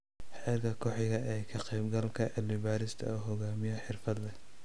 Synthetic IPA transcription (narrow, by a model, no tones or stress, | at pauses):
ħɛːrkʰɐkʰɔħɪɣɐʔɛːkʰɐqɛjbɡɐlkʰɐʔɛlɪbaːɾɪst̪ʰɐ̰uɦɔɣaːmɪjɔħɪrfɐd̪lɛ